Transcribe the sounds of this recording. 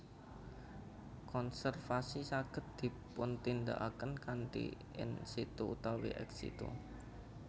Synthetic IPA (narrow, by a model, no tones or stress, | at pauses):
kɔnsɛrfasisaɡ̥ə̤t̪̚d̪̥i̤pʊnt̪ind̪a̰ʔakənkanʈḭ | ɪ̰nsit̪uut̪awḭʔɛ̰ksḭt̪u